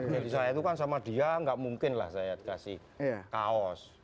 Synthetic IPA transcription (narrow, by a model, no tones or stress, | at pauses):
nelisajait̪ukansamad̪̥i̤aŋɡaʔmuŋkɪnla̰hsajad̪kasɪh | kaɔs